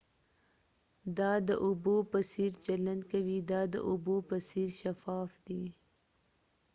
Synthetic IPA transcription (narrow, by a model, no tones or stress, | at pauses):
d̪ɑːd̪əʔʊboːpɐsiːɾt͡ʃɐlɐ̃nd̪kɐwid̪ɑːd̪ə̰ʔʊbopɐsiːɾʃɐfɑːfd̪i